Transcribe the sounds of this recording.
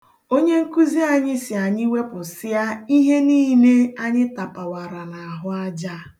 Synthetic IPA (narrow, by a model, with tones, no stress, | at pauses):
o˦ɲe˦ŋ̩˦ku˦zi˦a˨ɲɪ˦sɪ˨a˨ɲɪ˦we˦pʊ˨sɪ˦a˦i˦ɦe˦niː˦ne˦a˦ɲɪ˦ta˨pa˨wa˨ɾa˨na˨a˨ɦʊ˦a˦d͡ʒa˦